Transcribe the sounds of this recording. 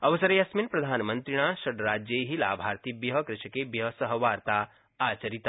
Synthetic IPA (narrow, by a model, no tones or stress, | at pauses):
ɐʋɐsɐɾejɐsminpɾɐd̪ʱaːnmə̃nt̪ɾiɽ̃aːʃɐɖɾaːd͡ʒjeɦila̰ːbʱaːɾt̪ibjɐɦɐkɾɪʃɐkebjɐɦɐsɐɦəʋaːɾt̪a | aːt͡ʃɐɾit̪a